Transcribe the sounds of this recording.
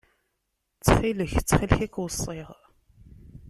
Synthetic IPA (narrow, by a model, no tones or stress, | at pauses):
t͡sːχiləçt͡sːχilçækːwəsˤːeʁ